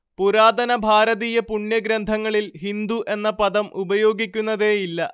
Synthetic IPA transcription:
puɾaːd̪ɐnɐbʱaːɾɐðiːjɐpuɳjɐɡɾɐnd̪ʱɐŋːɐɭilɦind̪uʔe̞nːɐpɐðɐmʔubɐjo̞ːɡikʲːunːɐðe̞ːjilːɐ

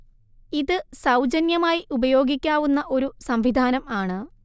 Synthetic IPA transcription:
iðɨsɐwd͡ʑɐnjɐmaːjiʔubɐjo̞ːɡikʲːaːʋunːɐʔo̞ɾusɐmʋid̪ʱaːnɐmaːɳɨ

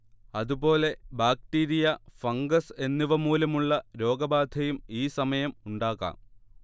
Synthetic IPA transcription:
ɐðubo̞ːle̞baːk̚ʈiːɾijɐfɐŋɡɐse̞nːiʋɐmuːlɐmuɭːɐɾo̞ːɡɐbaːd̪ʱɐjumiːsɐmɐjɐmuɳɖaːɣa̰ːm

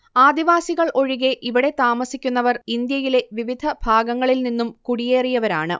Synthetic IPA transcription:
aːd̪iʋaːsiɣɐɭʔo̞ɻiɣe̞ʔiʋiɽe̞t̪aːmɐsikʲːunːɐʋɐrind̪jɐjile̞ʋiʋid̪ʱɐbʱaːɡɐŋːɐɭilninːumkuɽije̞ːrijɐʋɐɾa̰ːɳɨ̰

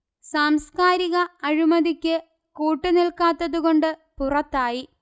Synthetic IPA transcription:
saːmskaːɾiɣɐɐɻimɐðikʲːɨ | kuːʈːɨnilkaːt̪ːɐðuɣo̞ɳɖɨpurɐt̪ːaːji

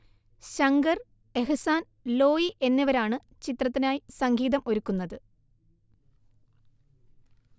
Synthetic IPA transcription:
ɕɐŋɡɐr | e̞ɦɐsaːn | lo̞ːjiʔe̞nːiʋɐɾaːɳɨ | t͡ɕit̪rɐt̪ːinaːjisɐŋɡiːðɐmʔo̞ɾukːunːɐðɨ

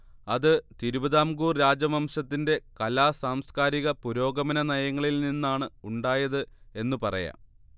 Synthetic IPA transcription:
ɐðɨt̪iɾubɐðaːmɡuːrɾaːd͡ʑɐmɐmɕɐt̪ːinde̞kɐlaːsaːmskaːɾiɣɐpuɾo̞ːɡɐmɐnɐnɐjɐŋːɐɭilninːaːɳɨuɳɖaːjɐðɨe̞nːupɐrɐ̰jɐ̰

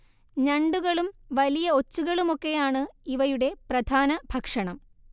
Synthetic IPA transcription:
ɲɐɳɖuɣɐɭumʋɐlijɐo̞t͡ɕːuɣɐɭumo̞kːe̞jaːɳɨiʋɐjuɽe̞prɐd̪ʱaːnɐbʱɐkʂɐɳɐm

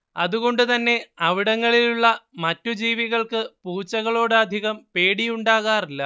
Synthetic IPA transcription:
ɐðuɣo̞ɳɖɨt̪ɐnːe̞ɐʋiɽɐŋːɐɭiluɭːɐmɐtːud͡ʑiːʋiɣɐɭkɨpuːt͡ɕːɐɣɐɭo̞ːɽɨɐd̪ʱiɣɐmpe̞ːɽijuɳɖaːɣaːrilːɐ

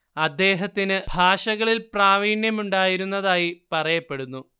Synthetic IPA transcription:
ɐd̪ːe̞ːɦɐt̪ːinɨbʱaːʂɐɣɐɭilpraːʋiːɳjɐmuɳɖaːjiɾunːɐðaːjipɐrɐjɐpːe̞ɽunːu

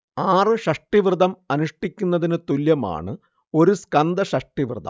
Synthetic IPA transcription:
aːrɨʂɐʂʈiʋrɨd̪ɐmɐnuʂʈikʲːunːɐðinɨt̪uljɐma̰ːɳɨ | o̞ɾuskɐnd̪ɐɕɐʂʈiʋrɨd̪ʱɐ̰m

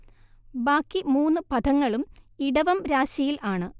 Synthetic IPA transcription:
baːkːimuːnːɨpɐd̪ʰʱɐŋːɐɭumiɽɐʋɐmɾaːɕɐjilaːɳɨ

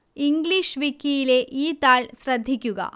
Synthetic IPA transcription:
iŋɡliʂʋikːijileʔiːt̪aːɭsɾɐd̪ʱːikʲːuɡɐ̰

